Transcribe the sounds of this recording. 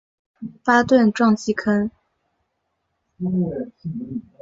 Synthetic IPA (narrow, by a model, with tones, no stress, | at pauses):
fa˥t̪wə˥˧nʈ͡ʂwɑ˥˧ŋt͡ɕi˥kʰə˥n˥˧˥